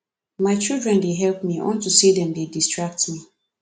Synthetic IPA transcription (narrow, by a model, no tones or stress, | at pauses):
maɪt͡ʃildɹɛ̃ndeɦɛlpmiʔɔ̰̃ntusidɛ̃mdedistɹak̚tmi